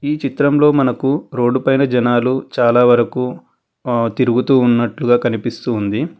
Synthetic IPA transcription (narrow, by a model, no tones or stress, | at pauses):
iːt͡ʃit̪ɾɐmlo̞ːmɐnɐkuɾo̞ːɖupɐjnɐd͡ʒɐnaːlut͡ʃaːlaːʋɐɾɐku | t̪iɾuɡut̪uːnːɐʈluɡaːkɐnipist̪uːnd̪i